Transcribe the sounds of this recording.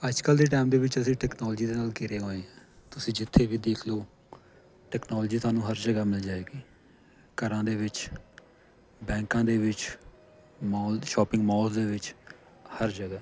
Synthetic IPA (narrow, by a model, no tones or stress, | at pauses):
əd͡ʒkəld̪eːʈɛːmd̪eːʋɪt͡ʃəsĩːʈɛːknɔːld͡ʒiːd̪eːnaːlkɪɾeːɦoːeːɛ̃ːt̪ʊsĩːd͡ʒɪt̪ʰːeːʋiːd̪eːkʰloː | ʈɛːknɔːld͡ʒiːt̪aːnũːɦəɾd͡ʒəɡaːmɪld͡ʒaːeːɡiː | kəɾãːd̪eːʋɪt͡ʃ | bɛ̃ːŋkãːd̪eːʋɪt͡ʃ | maːʃɔːpɪ̃ŋɡmaːlzd̪eːʋɪt͡ʃ | həɾd͡ʒəɡaː